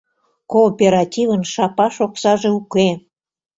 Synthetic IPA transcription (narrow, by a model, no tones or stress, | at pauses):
koːpʲeɾɑt̪ʲivənʃɑpɑʃoksɑʒeuke